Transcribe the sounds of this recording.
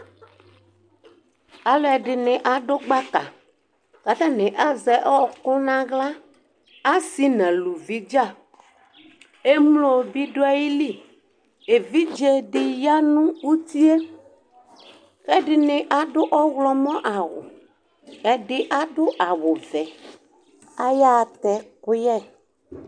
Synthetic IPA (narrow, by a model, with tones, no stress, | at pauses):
a˨lɔ˦ɛ˨ɖɪ˨nɪ̃˨ʔa˨ɖʊ˦ɡ͡ba˦ka˨ | ka˨t̪a˦nɪ̃˨ʔa˦zɛ˨ʔɔ˦kʊ˦nã˦ɣla˦ | a˦si˦nɛ̃˨lu˨vi˦d͡ʒa˦˨ | e˦mlo˨bi˦ɖʊ˦a˦ji˦li˦ | e˨vi˦d͡ʒɛ˦ɖɪ˨ja˦nũ˦wu˦t̪i˦e˦ | xɛ˦ɖɪ˨nɪ̃˨ʔa˦ɖʊ˦ʔɔ˦ɣlɔ˦mɔ̃˦ʔa˨wʊ̰˨ | ɛ˦ɖɪ˦ʔa˦ɖʊ˦ʔa˨wʊ˨vɛ˨ | a˦ja˦˨t̪ɛ˨kʊ˦jɛ˦